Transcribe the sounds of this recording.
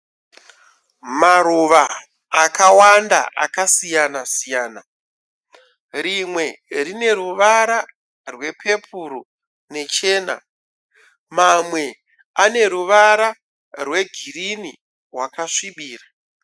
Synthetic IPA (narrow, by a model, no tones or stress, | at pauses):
maɾuʋaː | kawanda̰ʔa̰kasijanasijaːna | rimwe̞rine̞ɾuʋaɾa | rwe̞pʰe̞puɾu | ne̞t͡ʃe̞ːna̰ | mamwe̞ | ane̞ɾuʋaɾa | rwe̞ɡʱirini | rwakaʂiɓiːra